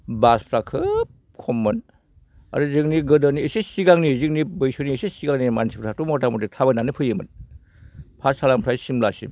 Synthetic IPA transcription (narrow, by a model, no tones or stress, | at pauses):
baspʰɾakʰɯp̚ | kʰɔmːɯn | a̰ɾɯzɯkniɡɯdɔniesesiɡaŋnizik̚nibɯjsoniesesiɡaŋnimansʰipʰɾʰak̚tumɔtamɔdetʰabananɯpʰɯjɯmɯn | pʰasalampʰɾajsimlasḭm